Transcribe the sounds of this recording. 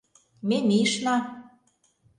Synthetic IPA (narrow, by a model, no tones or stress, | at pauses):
memiʃnɑ